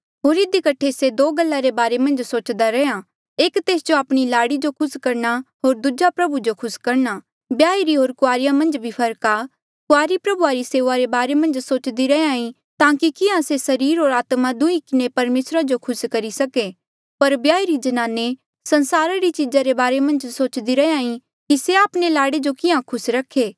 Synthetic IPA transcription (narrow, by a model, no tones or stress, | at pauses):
ɦoːɾɪd̪ikɐʈʰesed̪oːɡɐlːaɾebaːɾemɐ̃nd͡ʒsoːt͡ʃd̪aɾɛã | eːkt̪eːsd͡ʒoaːpɽ̃ilaːɽid͡ʒokʰʊskɐɾnaɦoːɾd̪ud͡ʒapɾɐbud͡ʒokʰʊskɐɾna | bjaːiɾiɦoːɾkʊaːɾɪjamɐ̃nd͡ʒbʱipʰɐɾka | kʊaːɾipɾɐbuaɾiseːʋaɾebaːɾemɐ̃nd͡ʒsoːt͡ʃd̪iɾɛeãːĩ | t̪ãːkikɪãsesɐɾiːɾɦoːɾaːt̪mad̪ʊĩkɪnepɐɾmeːsɾad͡ʒokʰʊskɐɾisɐke | pɐɾbjaːiɾid͡ʒɐnaːne | sɐ̃nsaːɾaɾit͡ʃid͡ʒaɾebaːɾemɐ̃nd͡ʒsoːt͡ʃd̪iɾɐeãːĩ | kiseaːpɽ̃elaːɽed͡ʒokɪãkʰʊsɾɐkʰeː